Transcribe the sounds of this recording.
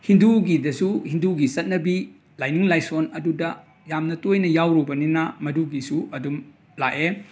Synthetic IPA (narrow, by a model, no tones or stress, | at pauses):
hinduɡidɐsuhinduɡisɐt̚nɐbi | lajniŋlajsonɐdudɐ | jamnɐtojnɐjawɾubɐninɐmɐduɡisuʔɐdum | laʔe